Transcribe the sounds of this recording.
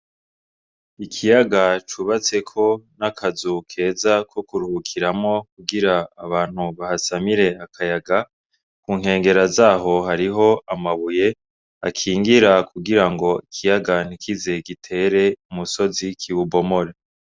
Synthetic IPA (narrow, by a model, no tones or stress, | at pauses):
ikʰijaɡat͡ʃuβat͡se̞kʰo̞nakʰazukʰe̞ːzakʰo̞kuɾuhukʰiɾamŋo̞kuɡiɾaːβaːn̥huβahasamiɾe̞akʰajaɡa | kuːŋhe̞ːŋɡe̞ɾazaːɦo̞haɾiɦo̞amaβuje̞ | a̰kʰiːŋɡiɾakuɡiɾaŋɡo̞ikʰijaɡan̥ikʰize̞ɡitʰe̞ɾe̞umuso̞zikʰiβubo̞mo̞ɾe